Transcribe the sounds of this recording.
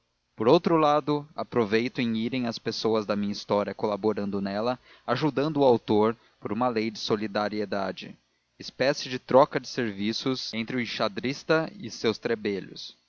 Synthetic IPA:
poɾowt̪ɾʊlad̪ʊa̰pɾovejt̪ʊẽj̃iɾẽj̃ɐspesowɐzd̪ɐmĩɲɐist̪ɔɾiɐkolaboɾɐ̃nd̪ʊnɛlɐ | aʒud̪ɐ̃nd̪ʊːawt̪oɾ | poɾũmɐlejd͡ʒɪsolid̪aɾied̪ad͡ʒɪ̰ | ɪspɛsɪd͡ʒɪt̪ɾɔkɐd͡ʒɪseɾvisʊzẽnt̪ɾɪʊɪʃad̪ɾist̪ɐɪ̰sewst̪ɾebeʎʊ̰s

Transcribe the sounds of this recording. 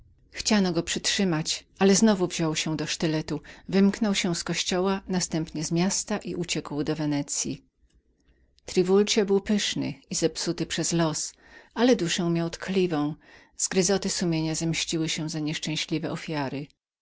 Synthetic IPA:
xt͡ɕanɔɡɔpʂɘtʂɘmat͡ɕʔalɛznɔvuvʑɔwɕɛ̃d̪ɔʂt̪ɘlɛt̪uvɘmknɔwɕɛ̃skɔɕt͡ɕɔwanast̪ɛmpɲɛzmʲjast̪aʔiʔut͡ɕɛkwd̪ɔvɛnɛt̪sʲjḭ | t̪ɾivult͡ɕɛbɘwpɘʂnɘ̰izɛpsut̪ɘpʂɛzlɔs | alɛd̪uʂɛ̃w̃mʲjawt̪kʰlʲivɔ̃w̃ | z̥ɡɾɘzɔt̪ɘsumʲjeɲazɛmɕt͡ɕiwɘɕɛ̃zaɲɛʂt͡ʂɛ̃w̃ɕlʲivɛʔɔfʲjaɾɪ

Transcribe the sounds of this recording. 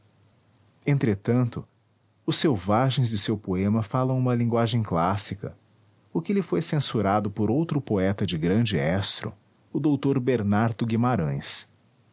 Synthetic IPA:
ẽnt̪ɾet̪ɐ̃nt̪ʊ | ʊsːewvaʒẽj̃zd͡ʒɪsewpoẽmɐfalɐ̃w̃ũmɐlĩŋɡwaʒẽj̃klasikɐ̰ | ʊkɪlɪfojsẽsuɾad̪ʊpoɾowt̪ɾʊpoɛt̪ɐd͡ʒɪɡɾɐ̃d͡ʒɪɛst̪ɾʊ̰ | ʊd̪owt̪oɾbeɾnaɾd̪ʊɡimaɾɐ̃j̃s

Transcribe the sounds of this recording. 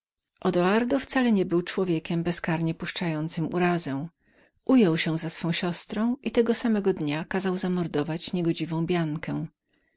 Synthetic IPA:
ʔɔd̪ɔaɾd̪ɔft̪salɛɲɛbɘwt͡ʂwɔvʲjɛkʲɛmbɛskaɾɲɛpuʂt͡ʂajɔnt̪sɘmṵɾazɛm | ʔujɔwɕɛ̃zasfɔ̃w̃ɕɔst̪ɾɔ̃w̃ʔit̪ɛɡɔsamɛɡɔd̪ɲakazawzamɔɾd̪ɔvat͡ɕɲɛɡɔd͡ʑivɔ̃w̃bʲjaŋkʰɛ̃

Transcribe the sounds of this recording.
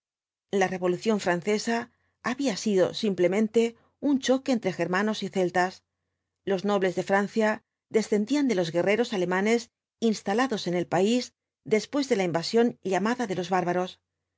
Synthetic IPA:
lare̞βo̞luθjo̞ɱfɾanθe̞saː | βiasiðo̞̰simple̞mẽ̞nt̪e̞ | unt͡ʃo̞ke̞ːnt̪ɾe̞xe̞ɾmano̞siθe̞lt̪as | lo̞zno̞βle̞zðe̞fɾan̟θja | ðe̞sθe̞nd̪iand̪e̞lo̞zɣe̞re̞ɾo̞sale̞mãne̞s | inst̪alaðo̞se̞ne̞lpaiz | d̪e̞spwe̞zðe̞laimbasjo̞nʎamaðaðe̞lo̞zβaɾβaɾo̞s

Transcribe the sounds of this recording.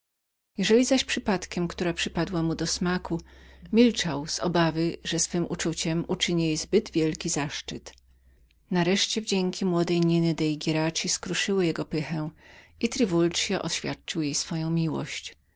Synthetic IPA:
jɛʐɛlʲizaɕpʂɘpat̪kʲɛmkt̪uɾapʂɘpad̪wamud̪ɔsmakumʲilt͡ʂawz̥ɔbavɘʐɛsfɘmʔut͡ʂut͡ɕɛmut͡ʂɘɲjzbɘd̪vʲjɛlkʲizaʂt͡ʂɘt̪ | naɾɛʂt͡ɕɛvd͡ʑɛŋkʲimwɔd̪ɛjɲinɘd̪ɛjɡʲɛɾat͡ɕiskɾuʂɘwɘjɛɡɔpɘxɛ̃ʔit̪ɾɘvult͡ʂjaʔɔɕfʲjat̪̚t͡ʂɨwjejsfɔjɔ̃w̃mʲiwɔ̰ɕt͡ɕ

